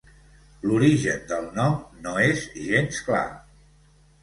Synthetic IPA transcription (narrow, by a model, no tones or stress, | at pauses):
luɾiʒənd̪əlˠnɔmnoezʒenskla̰